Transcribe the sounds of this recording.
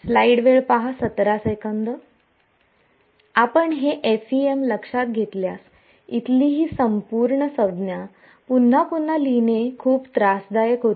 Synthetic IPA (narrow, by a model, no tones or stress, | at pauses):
slaiɽʋeɭpaɦasət̪ɾasəjkənd̪ə | apəɳɦeʔesiemləkʂat̪̚ɡʱet̪ljas | it̪liːɦiːsəmpuːɾɳəsəd̪nja | pun̤ːapun̤ːalinekʰuːpt̪ɾasd̪ajəkəɾu